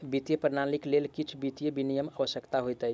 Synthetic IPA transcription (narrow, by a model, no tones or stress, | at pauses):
bit̪jəpəɾnaliklelkit͡ʃʰbit̪jəbinijəməʋəsjəkt̪aɦojt̪əj